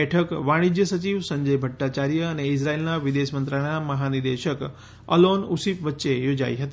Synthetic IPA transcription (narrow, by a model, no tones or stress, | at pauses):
ɛʈʰəkʋaɽ̃id͡ʒjəsət͡ɕiʋsəɲd͡ʒəjbʱəʈːat͡ɕaɾijəːneɪs̬ɾailnaʋɪd̪eʃmə̃nt̪ɾaɽ̃aməɦanɪɾd̪eʃək | ə̰lonusipʋətːʃejod͡ʒa̰iɦət̪i